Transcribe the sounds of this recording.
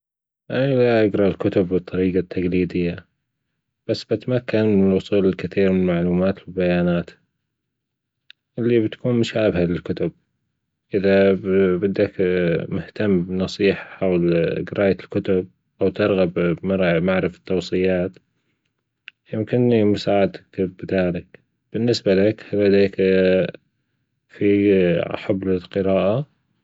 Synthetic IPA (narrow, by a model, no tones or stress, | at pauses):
ʔanilaʔaɡɾˤɑlkʊt̪ʊbːɨt̪ˤːɑɾiːɡat̪ʰːaɡliːd̪ɪjːa | b̥asːbat̪amakːanmɪnɪlwʊsˤuːlɪlkɪθiːɾmɪnɪlmaʕluːmaːt̪fɪlbajaːnaːt̪ | ʔɪlːibt̪ḁkuːnmʊʃaːbhalɪlkʊt̪ʊb̚ | ʔɪðabɪd̪ːakmʊht̪amːbnɑsˤiːħḁħawlɡɪɾɑːʔalkʊt̪ʊb̚ | ʔawt̪ɪɾˤɣɑbmɑɾmaʕɾɪfḁt̪ːɑwsˤɨjːaːt̪ | jɪmkɪnːimʊsaːʕad̪ḁkbðaːlɪk | b̥ɪnːɪsbalakhlad̪eːk | fiħablɪlqɨɾaːʔa